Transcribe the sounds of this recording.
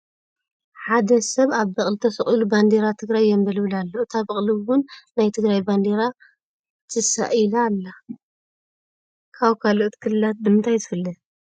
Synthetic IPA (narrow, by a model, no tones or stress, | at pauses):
ħad̪ɐsɐβaβːɐχʼlit̪ʰɐsɐχʼiluband̪eɾat̪ʰɨɡɾajːɛmbɐlɨβɨlalːoʔt̪ʰaβɐχʼliwʊnːajt̪ʰɨɡɾajband̪eɾa | t̪ʰɨsa̰ʔilalːa | kʰaβkʰaloʔt̪kʰɨlɨlat̪̚bɨmɨnt̪ʰajzɨfɨlːɨ